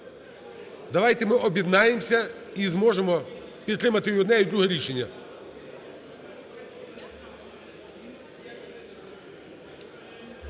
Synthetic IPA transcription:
d̪ɐʋɑjt̪ɛmɪʔɔbʲjɛd̪nɑjemsʲɐ | izmɔʒemɔpʲit̪t̪ːɾɪmɐt̪ɪjɔd̪nɛid̪ɾʲuɦɛɾʲiʃenʲːɐ

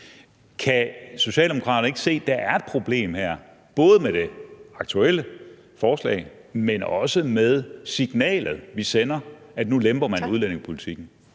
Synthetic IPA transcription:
kʰæso̝ɕɛ̰ːld̥emo̝kʰʁɑ̰ːdɐn̩e̝ɡ̥ə̥se̝̰ːd̥æ̈ʔæɐe̝d̥̚pʰʁo̝b̥le̝̰ːmheɐ̰ | b̥ɔ̽ːð̞̩ˠmeɾ̥e̝ɑ̈ɡ̥̚t͡sʰuelə | fɒːslɛ̰ːɪmenɒ̽səmeð̞ˠsiɡ̥nɛ̰ːlð̞̩ˠʋisenɐæd̥nulemb̥ɐmænuðˠlæn̰e̝ŋspʰo̝lit͡sʰiɡ̥n̩

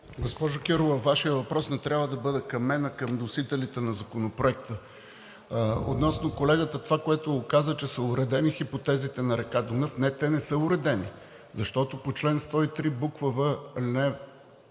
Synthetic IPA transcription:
ɡospɔʒʊkʲɛɾovəvaʃijəvɐpɾɔsnɛt̪ɾʲjabvəd̪ɐbɤd̪ɛkɐmːɛnəkəmd̪osit̪ɛlit̪ɛnɐzɐkonopɾoɛk̚t̪ə | o̰t̪nɔsnokolɛɡət̪ət̪ovakoɛt̪oːkazət͡ʃɛsəʊɾɛd̪ɛnixipot̪ɛzit̪ɛnɐɾɛkad̪onɤfnɛt̪ɛnɛsɤʊɾɛd̪ɛnḭ | zɐʃt̪ɔt̪opot͡ʃlɛnst̪ɔit̪ɾibukvəvəlinɛ

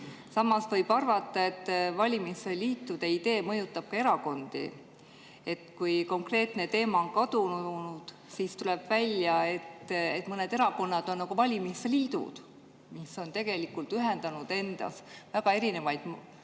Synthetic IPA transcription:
sɑmːɑsvɤ̞jb̥ɑrvɑt̪ːˑɑe̞t̪ːvɑlʲimiseliːt̪ːud̪̥e̞id̪e̞ːmɤ̞jut̪ːˑɑb̥̚kɑe̞ɾɑko̞nd̪̥ḭ | e̞t̪ːˑkujko̞ŋkre̞ːt̪ne̞t̪e̞ːmɑonkɑd̪̥unnud̪̥ | sist̪ule̞b̥vælʲjɑe̞t̪ːe̞t̪ːˑmɤne̞d̪̥e̞ɾɑko̞nːɑd̪̥o̞nːɑɡuvɑlʲimisliːd̪̥ṵd̪̥ | miso̞nt̪e̞ɡ̥e̞likˑult̪yɦe̞nd̪ɑnud̪̥e̞nd̪̥ɑ̰svæɡ̥ɑe̞ɾine̞vɑjd̪̥m

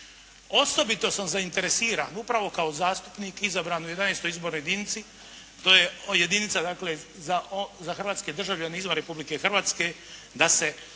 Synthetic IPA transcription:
o̞so̞bit̪o̞samzaint̪e̞ɾe̞siːɾa̰ːnupɾaʋo̞kaozaːst̪u̥pniːkizabɾaːnujed̪aneːst̪o̞jizbo̞ːɾnojed̪init̪si | t̪o̞ːjeje̞d̪init̪sad̪aːkle̞zazaxrʋaːt̪ske̞d̪r̩ʒaʋʎaneizmaɾe̞publike̞xr̩ʋaːt̪ske̞ | d̪ase̞

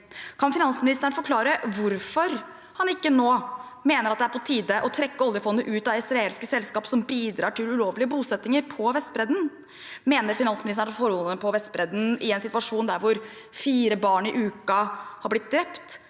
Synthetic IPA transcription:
kʰɑnfɪnɑnsmɪnɪst̪əɳəfɔɾkʰlɑːɾəʋʊɾfɔɾ | hɑnɪkːənoː | meːnəɾɑt̪d̪ɛæɾpʰɔt̪ʰiːd̪əʔɔt̪ʰɾɛkːəɔljəfɔnd̪əʔʉːt̪ɑɪsɾɑeːlskəsɛlskɑːpsɔmbiːd̪ɾɑːʈʰɪlʉloːʋlɪəbuːsɛt̪nɪŋəɾpʰɔʋɛst̪bɾɛd̪n̩ | meːnəɾfɪnɑnsmɪnɪst̪əɳfɔɾɔəpʰɔʋɛst̪bɾɛd̪n̩ɪɛnsɪt̪ʋɑʂuːnd̪æɾʋʊɾ | fiːɾəbɑːɳɪʔʉːkɑhɑɾblɪt̪̚d̪ɾɛpt̪

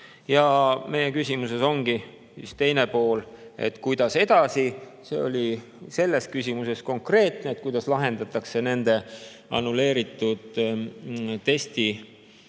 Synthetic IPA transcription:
jɑme̞jekysʲimuse̞so̞ŋɡi | sist̪e̞jnepo̞ːle̞̰t̪ːˑkujd̪̥ɑse̞d̪̥ɑsise̞̰o̞̰lʲi | se̞lːe̞skysʲimuse̞sko̞ŋkre̞ːt̪neːt̪̚kujd̪̥ɑslɑɦe̞nd̪ɑt̪ːˑɑkse̞ne̞nd̪̥e̞ | ɑ̰nule̞ːɾit̪ːˑud̪̥ | t̪ːe̞st̪i

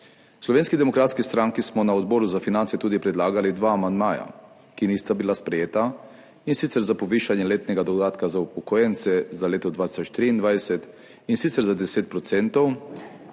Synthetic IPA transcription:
slɔʋeːnskid̪ɛmɔkɾaːt̪skist̪ɾaŋkismɔnaɔd̪bɔːɾuzafinant̪sɛt̪uːd̪ipɾɛd̪laːɡalid̪ʋaːmand̪maːja̰ | kiniːst̪abilaspɾɛjeːt̪a | insit̪sɛɾzapɔʋiːʃanjɛleːt̪nɛɡad̪ɔd̪aːt̪kazaupɔkɔjɛnt̪sɛzaleːt̪ɔd̪ʋaːt̪i̥sɔt͡ʃt̪ɾiːind̪ʋajsɛt̪ | insit̪sɛɾzad̪ɛseːt̪̚pɾɔt̪sɛnt̪ɔw

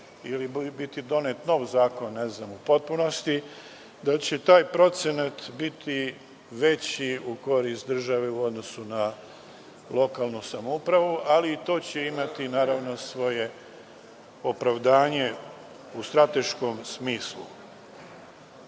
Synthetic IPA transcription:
ilibit̪id̪o̞net̪no̞ːʋzaːko̞nːeznamupo̞t̪̚puno̞st̪i | d̪at͡ɕe̞t̪aːjpɾo̞t̪senat̪bit̪ʰi | ʋe̞t͡ɕiuko̞ɾiːst̪̚d̪r̩ʒaʋeuo̞d̪no̞suna | lˠo̞kaːlˠnusamoupɾaʋuʔaliːt̪o̞ːt͡ɕeimat̪inaːɾaʋno̞sʋo̞je̞ | opɾaʋd̪aːɲe̞ | ust̪ɾat̪e̞ʃko̞msmiːslṵ

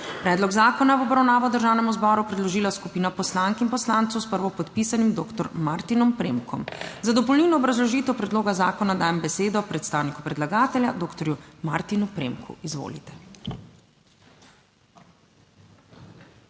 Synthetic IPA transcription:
pɾɛːd̪lɔɡzaːkɔnaʋɔbɾawnaːʋɔd̪əɾʒaːwnɛmuzbɔɾupɾɛd̪lɔʒiːlaskupiːnapɔslaŋkinpɔslant̪sɔwspəɾʋɔpɔt̪pisanimd̪oːkt̪ɔɾmaɾt̪inɔmpɾemkʰɔ̰mzad̪ɔpɔwlniwnɔːbɾazlɔʒiːt̪ɛwpɾɛd̪loːɡazaːkɔnad̪aːjɛmbɛseːd̪ɔpɾɛt̪st̪aːwniku̥pɾɛd̪laɡaːt̪ɛljad̪oːkt̪ɔɾjumaɾt̪inupɾḛmkʰṵizʋo̰ːlit̪ɛ̥

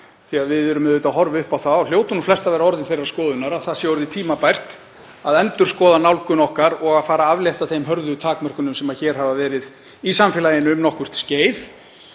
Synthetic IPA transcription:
θiaðvɪðʏɾʏmðeːt̪aɦɔɾvʏhpawθaɔljoːwt̪ʏnuflɛst̪avɛːɾaɔɾðɪnfejraɾ̥skɔːðʏnaɾaðθasjɛɔɾðɪt̪ʰiːmapajr̥t̪ | aðɛnt̪ʏɾ̥skɔːðanawlkʏnɔhkaɾɔɣaðfaːɾaavljejht̪aθejmɦœɾðʏt̪ʰaːkmœr̥kʏnʏmsɛmaçɛːɾ̥havavɛːɾɪð | isamfɪlajɪnʏmnɔhkʏr̥t̪sceːjð

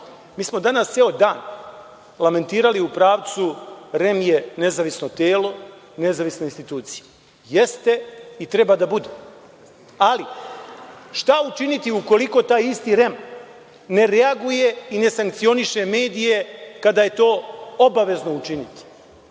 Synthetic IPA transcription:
miːsmo̞d̪anasseod̪aːn | lame̞nt̪iːɾaliupɾaːʋt̪suɾe̞mje̞ne̞zaʋisno̞t̪eːlo̞ | ne̞zaʋisnoinst̪it̪uːt̪sije | jest̪e̞it̪ɾe̞bad̪abud̪e | ali | ʃt̪aut͡ʃinit̪iuko̞liko̞t̪aːjist̪iɾem | ne̞ɾeaɡuje̞ine̞saŋk̚t̪sio̞niʃe̞me̞ːd̪ije̞kad̪aje̞t̪o̞ːobaʋe̞zno̞ut͡ʃinit̪i̥

